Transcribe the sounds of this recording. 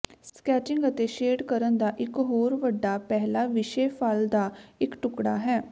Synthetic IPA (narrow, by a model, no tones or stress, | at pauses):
skɛːt͡ʃɪ̃ŋɡət̪eːʃeːɖkəɾənd̪aːʔɪkɦoːɾʋəɖːaːpɛɦlaːʋɪʃeːpʰaːld̪aːɪkʈʊkɽa̰ːɦɛː